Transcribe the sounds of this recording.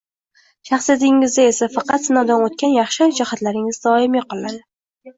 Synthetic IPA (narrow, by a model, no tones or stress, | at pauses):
ʃɑχsijat̪ɪŋːɪzd̪ae̞safɑqɑt̪sɪnɒd̪anot̪̚kʲʰanjɑχʃand͡ʒahat̪laɾɪŋɪzd̪ɒɪmjɪqɨlˠad̪ɪ